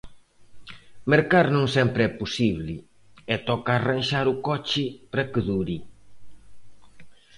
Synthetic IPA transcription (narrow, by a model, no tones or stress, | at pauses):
meɾkaɾnõŋsɛmpɾɪɛpusiβlɪ | ɛt̪ɔkaːranʃaɾukɔt͡ʃɪpɾɐkɪðuɾi